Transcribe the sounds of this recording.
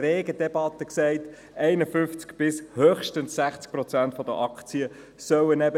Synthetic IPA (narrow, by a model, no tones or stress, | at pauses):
ɾeːɡəd̥ɛbɑt̪əksɛɪt | ʔɛɪnəfʏnft͡skb̥ɪshøːχʃtənsːæχt͡sk̚pɾɔt͡sæntfɔd̪əʔɑkt͡siə | sœwənɛbə